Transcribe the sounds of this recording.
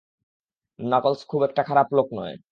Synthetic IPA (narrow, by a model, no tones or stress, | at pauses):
nɔkolskʰubɛk̚ʈakʰaɾaploknɔe